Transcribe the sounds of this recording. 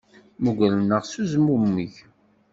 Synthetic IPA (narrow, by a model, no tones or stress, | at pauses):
muɡælənːəʁsuzmumːiç